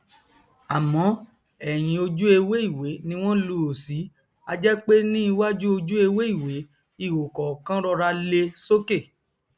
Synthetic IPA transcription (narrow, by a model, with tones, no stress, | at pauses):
a˨mɔ̃˨˦ | ɛ˨j̃ĩ˧o˧d͡ʒu˦e˧we˦i˦˨we˨˦nĩ˧w̃ɔ̃˦lu˧˨o˨si˨˦ | a˧d͡ʒɛ˦k͡pe˦nĩ˦i˧wa˦d͡ʒu˦o˧d͡ʒu˦e˧we˦i˦˨we˨˦ | i˦˨wo˨kɔ˨kã˦ɾɔ˧ɾa˧le˧so˦ke˦˨